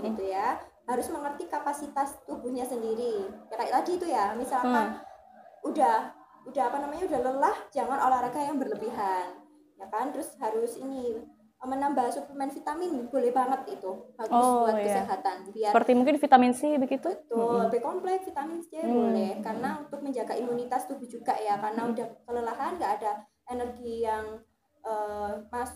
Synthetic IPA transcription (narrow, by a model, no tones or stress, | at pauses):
ɡit̪uja | haɾʊsməŋərt̪ikapasit̪ast̪ubuhɲasəndiɾiakaaʔladiːt̪ujamisala | udah | udaɦapanamaɲaudahləlahd͡ʒaŋanolahɾaɡajaŋbərləbiɦan | jakant̪ɾʊshaɾʊsini | əmənambasupləmɛnfit̪amɪnb̥olɛhbaŋət̪̚it̪uhaɾʊsbuat̚kəsəɦat̪anbiaəpərt̪imuŋkɪnfit̪amɪnsibəɡit̪ubət̪ʊlbekɔmplɛk̚fit̪amɪnsəd͡ʒaabolɛhkarənaunt̪ʊk̚məɲd͡ʒaɡaimunit̪ast̪uhbɪd͡ʒuɡaʔjakarənaudahkələlaɦanŋɡaʔːda | enərɡijaŋ | ʔəːmasʊ